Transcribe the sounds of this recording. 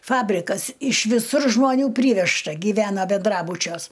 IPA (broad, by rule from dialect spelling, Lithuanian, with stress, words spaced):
ˈfɑːbʲrʲɪkɐs ɪʃ ʋʲɪˈsʊr ʒmoːˈnʲuː ˈpʲrʲiːʋʲɛʃtɐ ɡʲiːˈʋʲæːnɐ bʲɛnˈdrɑːbʊt͡ʃʲuɔs